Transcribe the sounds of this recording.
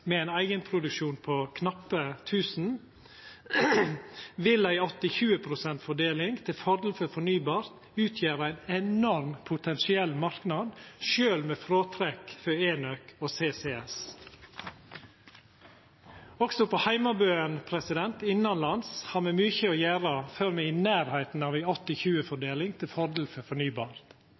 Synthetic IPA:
mɛæɪnæɪɡənpʰɾʊd̪ʉkʃuːnpʰoːkʰnɑpːət̪ʰʉːsn̩ | ʋɪlæɪɔt̪ɪçʉːəpʰɾʊsɛnt̪fɔɖeːlɪŋɡt̪ʰɪlfɔɾd̪lfɔɾfɔɳyːbɑːɾt̪ | ʉːt̪ʰjeːɾəæɪnɛnɔɾmpʰʊt̪ʰɛnsɪɛlmɑɾknɑd̪ʃøːlmeːfɾoːt̪ʰɾɛkføːeːnøkoːseːseːɛs | ɔksɔpɔhæɪmɑbøːənpʰɾɛsɪd̪ɛnt̪ɪnːɑnlɑnshɑːɾmɛmyːçəɔjæːɾəføːɾmɛɪɪnæːɾhæɪt̪n̩ɑːʋæɪɔt̪ːɪçʉːəfɔɖeːlɪŋt̪ʰɪlfɔɾd̪l̩fœfɔɳyːbɑːɾt̪

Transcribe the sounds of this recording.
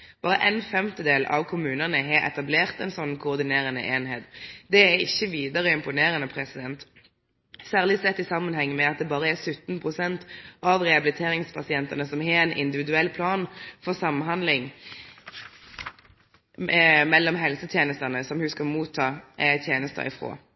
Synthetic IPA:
b̥ɑːɾə̰ʔɛnfɛmt̪əd̪eːlʔɑ̰ʋkʰʊmʉːnənəɦeɾɛ̰t̪ɑbleːʁt̪ɛnsɔnːkʰʊːʁd̪ɪneːʁənə̰ʔeːnheːt̪d̪ɛæɾɪ̰çːəʋiːd̪əʁəɪmpʊneːɾənəpʰɾɛsɪd̪ɛnt̪ | sæːʁlɪsɛt̪ːɪsɑmːənhɛŋːəmɛɑt̪̚d̪ɛbɑːɾəæsʉt̪ːn̩pʰʁʊsɛnt̪ɑʋʁɛɑbɪlɪt̪ʰeːɾɪŋspʰɑsɪɛnt̪ɑnəsɔmhɛɛnʔɪ̰nd̪ɪʋɪd̪ʉɛlːpʰlɑːnfɔʁsɑmːnɦɑnd̪lɪŋ | mɛlːɔmɦɛlsət̪ʰjeːnəst̪ɑnəsɔmhʉskɑmuːt̪ʰːɑːt̪ʰjeːnəst̪ɑ̰ɪ̰fʁo̰ː

